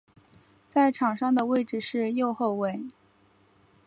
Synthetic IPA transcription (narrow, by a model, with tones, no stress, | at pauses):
t͡sa˥˩ɪʈ͡ʂʰɑ˨˩ŋʂɑ˥˩ŋd̪ə˩˨we˥˩ɪʈ͡ʂɻ̩˨˩ʂɻ̩˥˧jo˥˧ʊxo˥˧ʊwe˥˩ɪ